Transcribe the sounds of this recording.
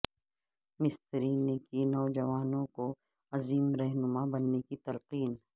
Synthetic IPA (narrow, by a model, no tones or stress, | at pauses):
mɪst̪əɾiːnekinɔːd͡ʒɐʋaːnõko | ɐziːmɾɛɦnʊmabɐnːekit̪ɐlqiːn